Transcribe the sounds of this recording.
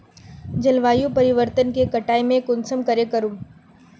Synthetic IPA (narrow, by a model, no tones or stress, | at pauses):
d͡ʒɐlʋaːjũpɐɾɪʋəɾt̪ənkekɐʈaːemẽkʊnsəmkəɾekəɾũm